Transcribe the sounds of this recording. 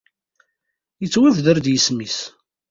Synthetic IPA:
jət͡sːwævðəɾd̪jəsmis

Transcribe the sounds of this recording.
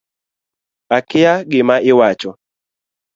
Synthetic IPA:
akɪjaɡɪmaʔɪwat͡ʃɔ

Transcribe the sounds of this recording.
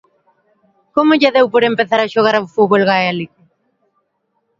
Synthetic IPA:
komoʎaðewpoɾempeθaɾaʃoɣaɾawfuβolɣaealike

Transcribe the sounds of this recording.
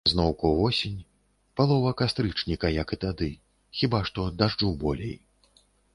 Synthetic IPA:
znɔwkuvɔsʲinʲ | palˠɔvɐkast̪ɾɨt͡ʂnʲikɐjɐkɨt̪ad̪ɨ | xʲibaʂt̪ɔd̪aʐd͡ʐubɔlʲḛj

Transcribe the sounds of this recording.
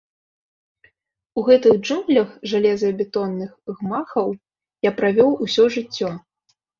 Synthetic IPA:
uɣɛt̪ɨɣd͡ʐumɣlʲɐxʐalʲɛzɐɐbʲɛt̪ɔnːɨxɣmaxɐw | japɾavʲɔwusʲɔʐɨt͡sʲːɔ

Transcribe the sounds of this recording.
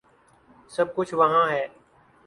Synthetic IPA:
səb̚kʊt͡ʃʰʋəɦãːɦɛː

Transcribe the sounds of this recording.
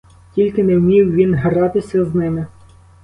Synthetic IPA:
tʲilʲkɪnɛwmʲiwʋʲinɦɾɑt̪ɪsʲɐznɪmɪ

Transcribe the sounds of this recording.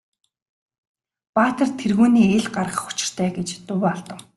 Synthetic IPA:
paːt̪ə̆rt̪ʰerɣuːniːeɮɢarʁə̆χʊ̥t͡ɕɪ̥̆r̥t̪ʰæːɡet͡ɕt̪ʊwaɮt̪ə̆ŋ

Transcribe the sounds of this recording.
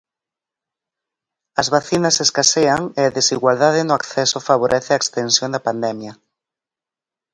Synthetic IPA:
ɐzβaθinɐseskaseaŋeaðesiɣwalðaðɪnʊakθɛsʊfaβ̞oɾʔɛθeaekst̪ensjond̪apand̪ɛmjɐ

